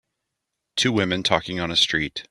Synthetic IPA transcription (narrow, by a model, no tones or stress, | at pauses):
tʰʉwɪ̃mɨ̃ntʰɔkɪ̃ŋə̃nɨstɹ̥it